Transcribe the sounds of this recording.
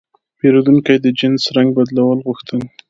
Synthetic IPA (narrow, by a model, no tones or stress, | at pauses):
peɾod̪uŋkajd̪əd͡ʒɪnsɾaŋɡ̚bad̪lawəlɣuxt̪ən